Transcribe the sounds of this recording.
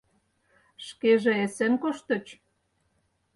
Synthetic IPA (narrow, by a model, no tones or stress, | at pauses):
ʃkeʒĕesĕnkoʃt̪ə̆t͡ɕ